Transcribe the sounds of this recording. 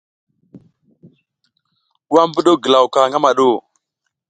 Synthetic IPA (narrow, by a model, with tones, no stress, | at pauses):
wa˦mbə˦ɗo˦ɡə˨la˨wka˨ŋɡa˦ma˨ɗo˦˨